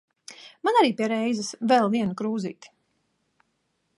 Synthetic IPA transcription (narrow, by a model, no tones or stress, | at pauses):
manaɾiːpiɛɾɛjzɛsvɛlˠviɛnukɾuːzḭːt̪